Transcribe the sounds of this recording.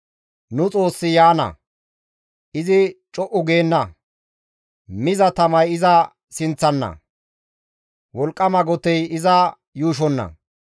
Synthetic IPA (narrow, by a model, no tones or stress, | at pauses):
nʊt͡sʼo̞ːsːɪjaːnɐ̰ | ʔɪzɪt͡ʃʼɔʔʊɡe̞ːnːɐ | mɪzɐt̪ɐmɐjɪzɐ | sɪnt͡sːɐnːɐ̰ | wɔlkʼːɐmɐɡɔt̪ɛjɪzɐ | juːʃ̬ɔnːɐ̰